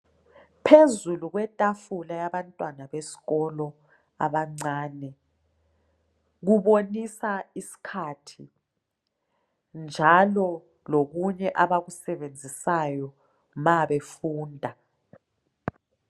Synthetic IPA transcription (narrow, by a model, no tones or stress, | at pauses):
pʰezuluɣwɛtʼafulajaβantʼwanaβesi̥ɣɔlɔ | a̰βaŋ͡ǀaːnɛ | ɣuβonisaisi̥kʰatʰi | nd͡ʒʱalɔ | loɣuɲɛʔaβaɣusɛβend͡zʱisajɔ | maβefuːndʱa